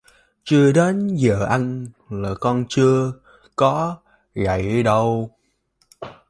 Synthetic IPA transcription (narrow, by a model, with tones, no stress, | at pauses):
t͡ɕɨ˧əɗe˨˦nzəː˧˨˩ʔa˧n | laː˨˩kɔ˧nt͡ɕɨ˧ə | kɔ˨˦ | ɣa̰˧˨jɗə˧w